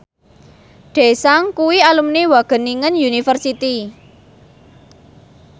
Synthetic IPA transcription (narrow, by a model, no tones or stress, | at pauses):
ɖ̪̥e̤saŋkuwialumnewaɡ̥ə̤niŋənjunifərsit̪i